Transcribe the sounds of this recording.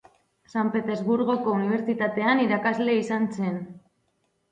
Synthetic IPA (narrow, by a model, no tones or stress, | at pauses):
sampe̞t̪ezβuɾɣo̞ko̞uniβ̞e̞ɾt͡sit̪at̪e̞aniɾakazle̞isanse̞n